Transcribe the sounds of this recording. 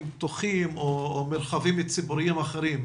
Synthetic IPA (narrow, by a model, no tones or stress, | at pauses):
mt̪oχimomeɾχavimlit͡sibuɾimaχeɾim